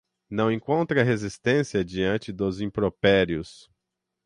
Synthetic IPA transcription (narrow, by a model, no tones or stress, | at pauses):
nɐ̃w̃ẽŋkõnt̪ɾɐɦezist̪ẽsiɐd͡ʒiɐ̃nt͡ʃɪd̪ʊzĩpɾopɛɾjʊs